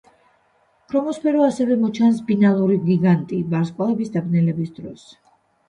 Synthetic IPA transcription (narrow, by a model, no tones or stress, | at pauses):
kʰɾɔmɔspʰɛɾɔasɛvɛmɔt͡ʃʰansbinalˠuɾiɡiɡant̪ʼibaɾskʼwalˠɛbisd̪abnɛlɛbisd̪ɾɔs